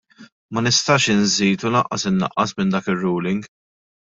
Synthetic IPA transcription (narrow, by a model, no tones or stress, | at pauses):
mɐnɪst̪ɐːʃɪnziːt̪ulɐʔːɐ̰sɪnːɐ̰ʔːɐsmɪnd̪ɐːkɪrːuːlɪŋɡ